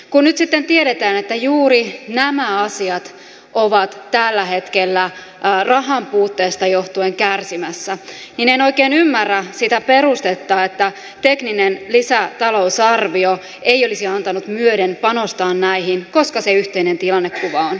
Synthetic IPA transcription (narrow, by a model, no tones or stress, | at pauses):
kunnyt̪sit̪ːent̪ieɾet̪æːnet̪ːæjuːɾinæmæɑsiɑt̪ | ʔoʋɑt̪tælːæhe̞t̪kelːæ | rɑɦɑmpuːt̪ːeːst̪ɑjo̞ht̪ueŋkærsimæsːænineno̞ikeːnymːærːæsit̪æpe̞ɾust̪et̪ːɑːet̪ːæ | t̪e̞kninenlisæt̪ɑlo̞usɑrʋio | eijo̞lisiɑnt̪ɑnut̪myøɾenpɑno̞st̪ɑːnnæihinko̞skɑseyht̪einent̪ilɑnːekːuʋɑon